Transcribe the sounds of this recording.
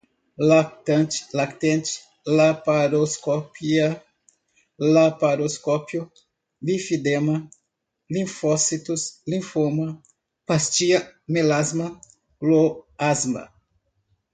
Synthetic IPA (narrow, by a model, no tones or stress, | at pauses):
lak̚t̪ɐ̃t͡ʃlakt̪ẽnt͡ʃɪ̥ | lapaɾoskopiɐ | lapaɾoskopjʊ | lifid̪emɐ | lĩfɔsit̪ʊslĩfomɐ | past͡ʃiɐmelazmɐ | loazmɐ̰